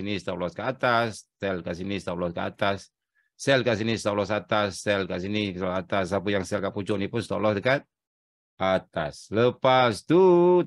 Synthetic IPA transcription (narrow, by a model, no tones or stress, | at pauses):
inist̪alɔskaat̪asːɛlkaʔsinist̪alɔskaa̰t̪asː | ɛlkaʔs̬inist̪alɔsat̪asːɛlkaʔsinit̪alɔat̪asapəjaŋsɛlkaʔpud͡ʒɔnipʊnst̪alɔsdəkat̪̚ | ʔat̪a̰sləpast̪u